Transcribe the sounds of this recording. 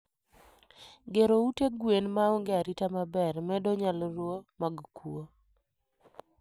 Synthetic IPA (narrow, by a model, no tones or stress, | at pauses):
ɡeɾouteɡwenmaoŋɡeaɾitamabɛrmɛdɔɲalɾwomaɡkwo